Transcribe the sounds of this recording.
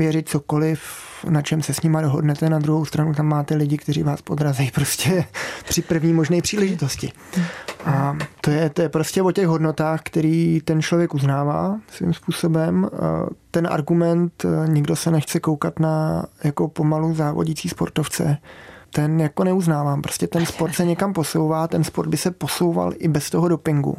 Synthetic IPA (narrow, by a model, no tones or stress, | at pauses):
vjɛɾɪt̪̚t͡so̞ko̞lɪf | nat͡ʃɛmsɛsɲɪmadoɦo̰dnɛt̪ɛnad̪ɾuɦowst̪ɾanut̪amːaːt̪ɛlɪɟɪkt̪ɛɾḭːvaːspod̪ɾazɛjpɾo̞scɛpr̥ɪpr̩vɲiːmo̞ʒnɛːpr̝̥iːlɛʒɪt̪o̞scɪ | ʔat̪ojɛt̪ojɛpɾoscɛvo̞cɛɣɦo̞dno̞t̪aːxkt̪ɛɾiːt̪ɛnt͡ʃlo̞vjɛkuznaːva̰ːsvɪ̰mspuːso̞bɛmt̪ɛnʔa̰ɾɡumɛnt̪ɲɪɡdo̞sɛnɛxt͡sɛko̞wkat̪najako̞po̞maluzaːvoɟɪt͡siːspo̞̰ɾt̪o̞ft͡sɛ̰t̪ɛnjako̞nɛuznaːvaːmpɾo̞scɛt̪ɛnspoɾt̪sɛɲɛkampo̞sowvaːt̪ɛnspoɾd̪̚bɪsɛpo̞so̞wva̰lʔɪbɛst̪oɦodo̞pɪŋɡṵ